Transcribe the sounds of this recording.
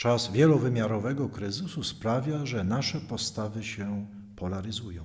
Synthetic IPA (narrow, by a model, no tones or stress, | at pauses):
t͡ʂazvʲjɛlɔvɘmʲjaɾɔvɛɡɔkɾɘzɘsuspɾavʲjaʐɛnaʂɛpɔst̪avɘɕɛ | pɔlaɾɘzujɔ̃w̃